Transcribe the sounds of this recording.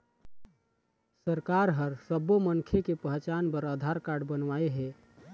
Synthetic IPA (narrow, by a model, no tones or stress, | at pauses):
səɾkaɾɦəɾsəboməŋkʰekepəɦt͡ʃaːnpəɾəd̪ʱaɾkaːɖbənʋaeɦɛ